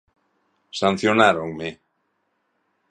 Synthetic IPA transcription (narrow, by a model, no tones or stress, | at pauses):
san̟θjonaɾoŋmɪ